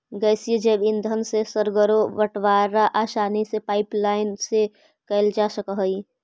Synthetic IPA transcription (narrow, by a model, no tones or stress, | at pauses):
ɡɛːsied͡ʒəbɪnd̪ʱənsesəɾɡəɾoʋəʈwaːɾaʔaːʃaːnisepaːɪplaːɪnse | kəɪld͡ʒasəkəɦəi